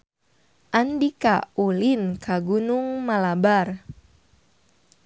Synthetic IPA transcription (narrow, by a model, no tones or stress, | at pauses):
ʔandika̰olinkʰaɡunuŋmalabar